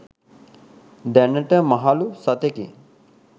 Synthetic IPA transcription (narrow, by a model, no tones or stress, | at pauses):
d̪ænəʈəmaɦalusat̪eke